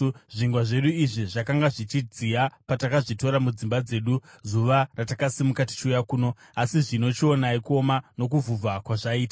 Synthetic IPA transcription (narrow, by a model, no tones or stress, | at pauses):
ʐiŋɡwaʐe̞ɗuiʐiʐakaŋɡaʐit͡ʃid͡ziapatakaʐito̞ɾamud͡zimbad͡ze̞ːɗuzuʋaratakasimukati̥t͡ʃujakuːno̞ | asiʐino̞t͡ʃio̞naiko̞mano̞k̬uvuakwaʐaiːta